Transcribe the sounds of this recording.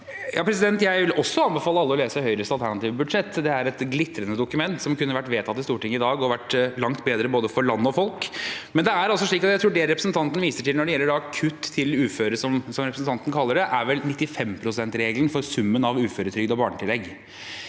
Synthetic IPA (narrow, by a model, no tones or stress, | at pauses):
jɑːpʰɾɛs̬ɪd̪ɛnt̪jæɪʋɪlɔsːɔɑnbɛfɑːlːəɑlːəɔleːsəhœʏɾəst̪ɑlt̪ʰæɳɑt̪iːʋəbʉd̪ʂɛt̪ːd̪ɛæɾɛt̪ɡlɪt̪ːɾənəd̪ʊkʉmɛnt̪sɔmkʉnːəʋæʈːʋeːt̪ʰɑt̪ːɪst̪uːʈɪŋːəɪd̪ɑːɡɔʋæʈlɑŋt̪beːd̪ɾəboːd̪əfɔɾɭɑnːəɔfɔlkmɛnd̪ɛæɾɑlsɔʂɭiːkɑt̪jæɪt̪ɾuːɖɛɾɛpɾəsnt̪ʰɑnt̪ənʋiːsəʈɪlnɔɖɛjɛlːəɖɑkʰʉt̪ʰːɪlʉːføːɾəsɔmsɔmɾɛpʰɾsn̩t̪ʰɑnt̪ən̩kʰɑlːəɖɛʔæɾʋɛlnɪt̪ːɪfɛmpʰɾʊsɛnt̪ɾeːɡlənfɔɾsʉmːənɑʋʉːføːɾət̪ʰɾʏɡd̪ɔbɑːɳəʈ̪ʰɪlɛɡ